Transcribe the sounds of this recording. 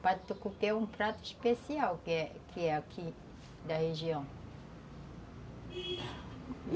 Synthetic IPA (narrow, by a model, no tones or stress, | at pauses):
pad̪t̪ukupeũpɾat̪ʊispesiawkɛkʰɪɛakʰi | d̪ɐheʒiɐ̃w̃